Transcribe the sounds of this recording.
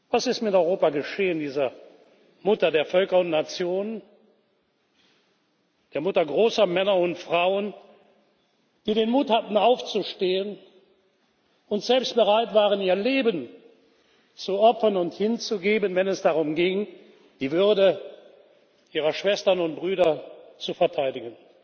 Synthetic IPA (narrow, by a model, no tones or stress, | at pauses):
vasɪstmɪtɔʏʁoːpaɡəʃeːəndiːzɐ | mʊtɐdeːɐfœlkɐʊntnat͡sjoːnən | d̥eːɐmʊtɐɡʁoːsɐmɛnɐʊntfʁ̥aʊən | d̥iːɾeːnmuːthatn̩aʊft͡suʃteːən | ʊntz̥ɛlpst̚b̥əʁaɪtv̥aːʁəniːɐleːbən | t͡suʔɔpfɐnʊnthɪnt͡suɡeːbənvɛnɛsd̥aʁʊmɡɪŋ | d̥iːvʏɐdə | ʔiːʁɐʃv̥ɛstɐnʊnt̚b̥ʁyːɾɐt͡sufɛɐtʰaɪdɪɡən